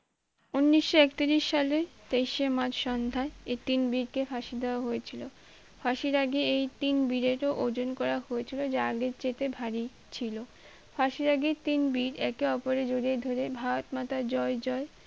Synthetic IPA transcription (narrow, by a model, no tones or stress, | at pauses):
unːiʃːoɛkt̪iɾiʃːalet̪ejʃemad͡ʑʃɔnd̪ʱaeet̪inbiɾkefaʃid̪ʱɛoaɦojet͡ɕʰilo | fʰaʃiɾaɡeejt̪inbiɾeɾoʔod͡ʑonkɔɾaɦoet͡ɕʰilod͡ʑaaɡeɾt͡ɕet̪ebʱaɾi | t͡ɕʰilo | fʰaʃiɾaɡet̪inbiɾɛkeɔpoɾed͡ʑoɾied̪ʱoɾebʱaot̪mat̪ad͡ʑɔed͡ʑɔe